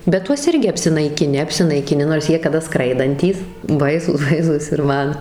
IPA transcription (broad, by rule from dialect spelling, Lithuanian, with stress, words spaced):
bʲɛt ˈtuɔs ˈɪrʲɡʲɪ ɐpʲsʲɪnɐɪkʲɪˈnʲɪ ɐpʲsʲɪnɐɪkʲɪˈnʲɪ noːrs ˈjiɛ kɐˈdɐ ˈskrɐɪdɐnʲtʲiːs ˈbɐɪsuːs ˈbɐɪsuːs ɪr ˈmɐn